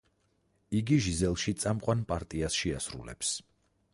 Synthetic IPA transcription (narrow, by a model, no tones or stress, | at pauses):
iɡiʒizɛlˠʃit̪sʼamqʼwanpʼaɾt̪ʼiasʃɛa̰sɾṵlɛ̰ps